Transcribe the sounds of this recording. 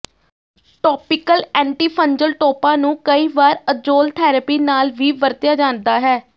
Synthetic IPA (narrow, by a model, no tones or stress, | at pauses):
ʈɔːpɪkəlɛ̃ːɳʈiːpʰəɲd͡ʒəlʈoːpãːnũːkəiːʋaːɾəd͡ʒoːlt̪ʰɛːɾəpiːnaːlʋiːbəɾt̪jaːd͡ʒãːnd̪aːɦɛː